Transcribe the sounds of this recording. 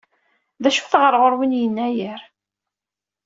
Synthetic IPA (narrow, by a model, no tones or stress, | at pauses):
ðæʃu̥θʁəɾˤʁəɾˤwinjənːæjəɾ